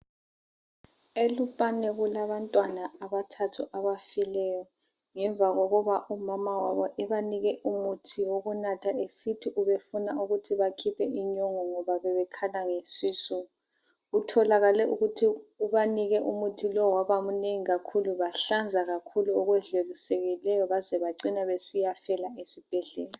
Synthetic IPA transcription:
elupʼanɛɣulaβantʼwanaːβatʰatʰuʔaβafilɛjɔ | ŋɛɱvʱaɣoɣɔβaʔumamawaβɔʔɛβaniɣɛʔumutʰiwoɣunatʰaesitʰiʔuβefunauɣutʰiβakʰipʰɛʔiɲɔŋɔŋɔβaβɛβɛkʰalaŋesiːsɔ | utʰɔlaɣalɛʔuɣutʰiuβaniɣɛʔumutʰilɔwaβamuneŋiɣakʰuluβaɬand͡zʱaɣakʰuluɔɣwɛɮeliseɣilɛjɔβazɛβaǀinaβesijafɛlaesib̥ʱɛɮɛːla

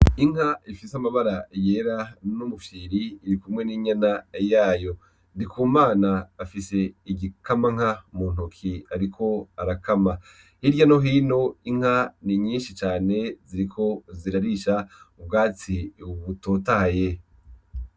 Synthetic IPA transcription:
iŋ̥haʔifisamaβaɾaje̞ːɾanumufiːɾiːɾikumŋe̞niːɲanajaːjo̞ | ndikuːmaːnaːfise̞iɡikamaŋ̥amuːn̥ukʰiaɾikʰo̞aɾakama | hiɾɟano̞ɦiːno̞iŋ̥haniɲiːnʃit͡ʃaːne̞ziɾikʰo̞ziɾaɾiʃaub̚ɡaːt͡siuβutotahaje

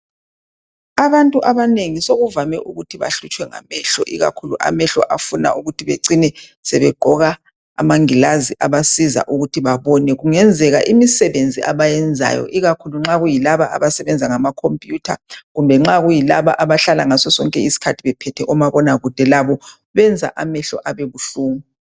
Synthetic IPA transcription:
aβantʼuʔaβaneŋisoɣuvamɛʔuɣutʰiβa̰ɬut͡ʃʼwɛŋa̰mɛɬɔʔiɣa̰kʰuluʔa̰mɛɬɔ̰ʔafuna̰ʔuɣutʰiβeǀinɛsɛβɛɡ͡ǃʱɔɣa̰ː | maŋilaziʔaβasiza̰ʔuɣutʰiβaβɔnɛɣuŋɛnd͡zʱɛɣaʔimisɛβend͡zʱiʔaβajɛnd͡zʱa̰jɔ̰ʔiɣakʰuluŋ͡ǁaɣujilaβaʔaβasɛβɛnd͡zʱaŋamakʰompʼjuːtʰaɣumbʱɛŋ͡ǁaɣujilaβaʔaβaɬalaŋasɔsɔŋkʼɛisi̥kʰatʰiβɛpʰɛtʰɛʔɔmaβɔnaɣud̥ʱɛlaβɔ | βɛnd͡zʱa̰ʔamɛɬɔ̰ʔaβeβuɬuːŋu

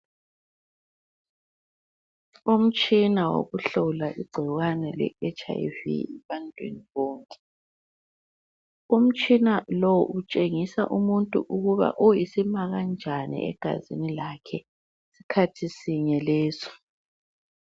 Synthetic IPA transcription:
um̩t͡ʃʼinawo̰ɣuɬɔlaʔiɡ͡ǀʱiɣwanɛlɛ̰ɛt͡ʃʼa̰vḭɛβantʼwḛniβɔːŋkʼɛ̥ | um̩t͡ʃʼinalɔwʔut͡ʃʼeŋisaʔumuntʼṵʔuɣuβa̰ʔɔjisimaɣand͡ʒʱanḭɛ̰ɡ̥ʱa̰zḭnilakʰɛ | sikʰatʰisiɲɛlɛːzɔ̥

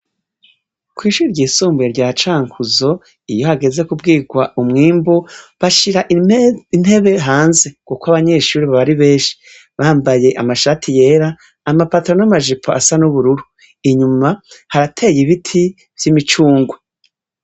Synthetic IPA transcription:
kwiːʃuɾɟiːsuːmbueɾɟaːt͡ʃaːŋkuzo̞ | ijo̞haɡe̞ze̞kub̚ɡiːɡwaʔumŋiːmboβaʃiɾaʔin̥he̞βe̞ɦaːnze̞kukoaβaɲe̞ʃuːɾiβaβaɾiβe̞ːnʃi̥ | βaːmbaje̞ʔamaʃatʰije̞ːɾaː | mapatɾonamaʒipʰoa̰sanuβuɾuɾu | iɲumahaɾatʰe̞jiβitʰi | v̥jimit͡ʃuːŋɡwe

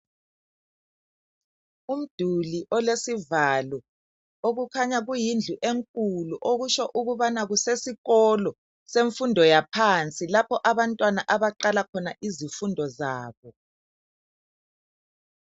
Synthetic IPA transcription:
um̩d̥ʱuliʔɔlesivalɔ | oɣukʰaɲaɣujind͡ɮʱuʔeŋkʼuluʔoɣuʃɔʔuɣuβanaɣusesiɣɔlɔ | seɱfundʱɔjapʰant͡sʼilapʰɔʔaβantʼwanaʔaβaǃalakʰɔnaʔizifundʱɔzaːβɔ

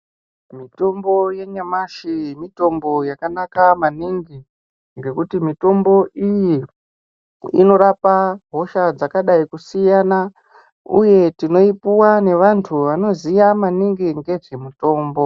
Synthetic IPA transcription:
mito̞mbo̞je̞ɲamaʃijmito̞mbo̞jakanakamaniŋɡi | ŋɡe̞kutimito̞mbo̞ʔiji | ḭno̞ɾapaɦo̞ʃad͡zakaɗaikusijana | ṵje̞tino̞ipuwane̞ʋantʰuʋano̞zijamaniŋɡiŋɡe̞ʐe̞muto̞ːmbo̞

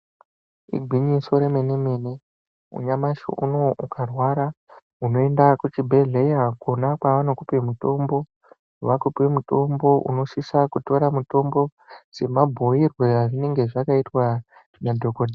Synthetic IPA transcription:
ḭɡʱwiɲiso̞ɾemeneme̞ne̞ | ṵɲamaʃo̰ʔṵno̞ʔukʰarwaɾa | uno̞e̞ndakut͡ʃibʱe̞ɮejakonakwaʋano̞kupemuto̞mbo̞ | ʋakupiwemuto̞mbo̞ʔṵno̞ʃisakuto̞ɾamuto̞mbo̞ | se̞mabʱo̞irweaʐine̞ŋɡe̞ʐakaitwa | ʐ̥inadʱokode

